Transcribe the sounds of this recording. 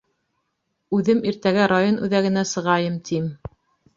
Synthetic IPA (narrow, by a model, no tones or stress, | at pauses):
ʉðɘmiɾt̪æɡæɾajonʉðæɡɘ̆næsɤ̆ʁɑjɤmt̪ʰim